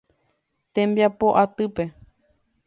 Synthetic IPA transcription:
t̪ẽmbjapoʔat̪ɨpe̞

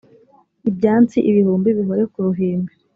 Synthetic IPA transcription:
ibɟaːnt͡siʔiβihuːmbiβiɦo̞ɾe̞kuɾuɦiːmbe

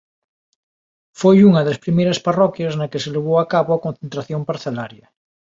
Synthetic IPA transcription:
fojuŋɐðespɾimejɾɐsparɔkjɐsnɐkeseleβ̞owakaβoɐkõnθent̪ɾaθjoŋpaɾθelaɾjɐ

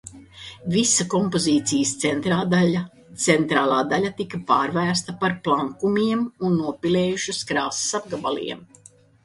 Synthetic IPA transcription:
visakɔmpoziːt̪sijst̪sent̪ɾaːd̪aʎa | t̪sent̪ɾaːlˠaːd̪alʲat̪ikɐpaːɾvæːɾst̪ɐpaɾplˠaŋkumiɛmunːuɔpilɛːjuʃuskɾaːssab̚ɡabalˠḭɛm

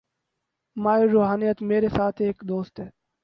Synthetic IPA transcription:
maːiɾoːɦaːnijət̪meːɾesaːt̪ʰeːkd̪oːst̪ɦɛː

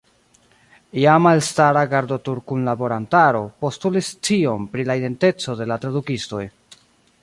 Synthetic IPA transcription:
jamaelstaɾaɡaɾdo̞tuɾkunlabo̞ɾantaɾo̞po̞stulist͡ʃio̞mpɾilaide̞nte̞t͡so̞de̞latɾadukisto̞̰j

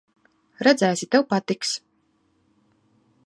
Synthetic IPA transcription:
ɾad̪zæːsʲit̪awpat̪iks

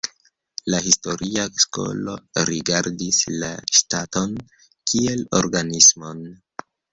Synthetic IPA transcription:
lahisto̞ɾʔiasko̞̰lo̞̰ɾiɡaɾdisla̰ʃtato̞n | kʰie̞lo̞̰ɾɡanismo̞n

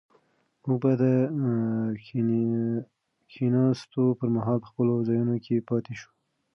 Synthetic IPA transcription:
muk̚bad̪ə | kʰinɑst̪opəɾmaɦɑlpə̥xpəlozɑjunokʰepɑt̪eʃu̥

